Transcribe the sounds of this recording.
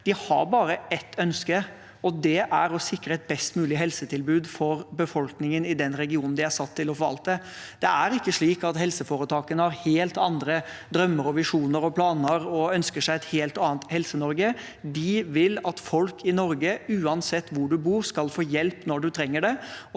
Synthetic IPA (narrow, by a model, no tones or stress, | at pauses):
d̪̥ɪhɑ̰ɾbɑːɾəɛt̪ʰːœnskə | ɔd̪ɛʔæɾɔsɪkːɾəɛt̪̚bɛst̪mʉːlɪɦɛlsət̪ʰɪlbʉːd̪fɔɾbəfɔlknɪŋənɪd̪ɛnɾɛɡɪuːnn̩d̪ɪæʂɑt̪ʰːɪlɔfɔɾʋɑ̰lt̪ːə | d̪̥ɛæɾɪkːəʂɭiːkɑt̪hɛlsəfoːɾət̪ʰɑːkənəhɑɾheːlt̪ɑnd̪ɾəd̪ɾœmːəɾɔʋɪʂuːnəɾɔpʰlɑːnəɾɔœnskəʂæɪɛt̪heːlt̪ɑːnt̪hɛlsənɔɾɡə | d̪ɪʋɪlɑt̪fɔlkʰɪnɔɾɡəʉːɑnsɛt̪ːʋʊɖʉbuːɾskɑlfoːjɛlpnɔɖʉt̪ʰɾɛŋːəɖɛ